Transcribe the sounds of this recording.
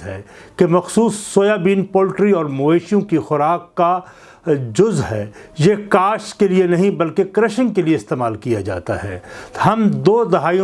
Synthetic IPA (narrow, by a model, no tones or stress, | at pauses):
ɦɛkemɐxsuːsːoːjaːbiːnpoːlʈɾiɔːɾmoːeːʃijõkixʊɾaːkːa | d͡ʒʊzɦɛ̰ːjekaːʃkelienɐɦĩbɐlkekɾɛʃɪ̃ŋɡkelieɪst̪eːmaːlkijad͡ʒa̰ːt̪a̰ɦɛ̰ːhɐmd̪oːd̪ɐɦaːijõ